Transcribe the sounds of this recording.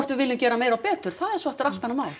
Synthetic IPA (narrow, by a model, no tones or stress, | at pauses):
rt̪vɪvɪlːʏmcɛːɾameːjɾawpɛːt̪ʏɾ̥θaðɛɾsvɔht̪ʏɾalvɛnamaːwl